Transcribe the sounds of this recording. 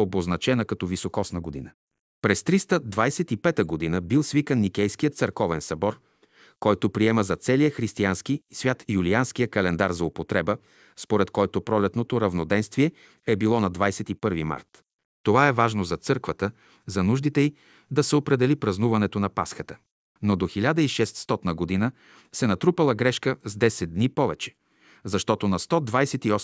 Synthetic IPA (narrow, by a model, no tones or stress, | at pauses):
oboznɐt͡ʃɛnəkɐt̪ɔvisokɔsnəɡod̪ḭnə | pɾɛst̪ɾist̪əd̪vajsɛt̪ipɛt̪əɡod̪inəbilˠsvikənːik̟ɛjskijət̪səɾkɔvɛnsɐbɔɾ | kɔjt̪opɾiɛməzɐt̪sɛlijəxɾist̪ianskisvʲjat̪iulianskijəkɐlɛnd̪aɾzɐopot̪ɾɛbə | spoɾɛt̪kɔjt̪opɾɔlɛt̪not̪oɾɐvnod̪ɛnst̪viɛ | ɛbilˠɔnɐd̪vajsɛt̪ipɤɾvima̰ɾt̪ | t̪ovaɛvaʒnozɐt̪sɤɾkvət̪ə | zɐnuʒd̪it̪ɛi | d̪ɐsɛopɾɛd̪ɛlipɾɐznuvɐnɛt̪onɐpa̰sxət̪ə̥ | nod̪oxilʲad̪əiʃɛst̪st̪ɔt̪nəɡod̪inə | sɛnɐt̪ɾupəlˠəɡɾɛʃkəzd̪ɛsɛd̪̚d̪nipɔvɛt͡ʃɛ̥ | zɐʃt̪ɔt̪onɐst̪ɔd̪vajsɛt̪iɔ